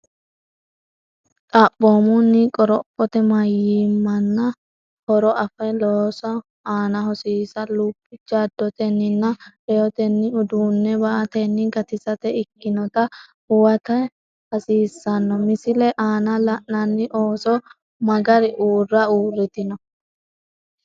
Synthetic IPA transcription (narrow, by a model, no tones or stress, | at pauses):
t̪ʼabːoːmʊnːɪkʼɔɾɔpʼːɔt̪ɛmɐjimːɐnːɐ | hɔɾɔʔɐfɐjloːsɔ | aːnɐɦɔsiːsɐluːpʼːɪd͡ʒaːd̪ːɔt̪ɛnːɪnːɐ | ɛjɔt̪ɛnːɪʊd̪uːnːɛbɐʔɐt̪ɛnːɪɡɐt̪ɪsɐt̪ɛɪkːɪnɔt̪ɐhʊwɐt̪ɐ | hɐsiːsːɐnːɔmɪsɪlɛʔaːnɐlɐʔnɐnːɪʔo̞ːsɔ | mɐɡɐɾɪʔuːrːɐuːrːɪt̪ɪnɔ